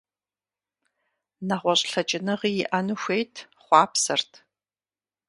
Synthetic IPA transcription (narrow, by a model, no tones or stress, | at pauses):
nɐʁʷɔɕʼɬɐt͡ʃʼɪnɨʁiːjɪʔɐnɨxʷejtʰ | χʷɑːpsɐrtʰ